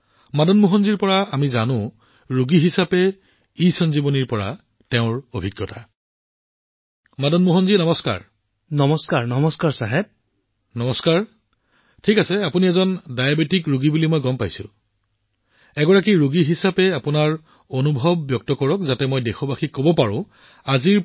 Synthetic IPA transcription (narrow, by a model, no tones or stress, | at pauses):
madɔnmuɦɔnziɹpɔɹaamizanʊ̃ | ɹuɡiɦisapɛ | isɔnzibɔniɹpɔɹa̰ | tɛʊ̃ɹobʱiɡjɔta | madɔnmuɦɔnzinɔmɔska̰ɹ | nɔmɔskaɹnɔmɔskaɹsaɦɛp̚ | nɔmɔskaɹ | tʰikasɛapuniɛzɔndajabetikɹuɡibulimɔjɡɔmpajsʊ̰̃ | ɛɡɔɹak̬iɹuɡiɦisapɛapʊnaɹ | onubʱɔbːjɔk̚tɔkɔɹɔkzatɛmɔjdexɔbaxikobɔpaɹʊ̰̃ | aziɹ